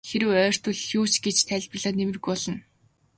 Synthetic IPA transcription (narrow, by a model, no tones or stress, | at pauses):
xeɾɘ̆wœːr̥t̪ɵ̆ɮxjuːt͡ɕɡet͡ɕt̪ʰæːɮʲpə̆ɮaːnemɘ̆rɣujɔɮɞ̆n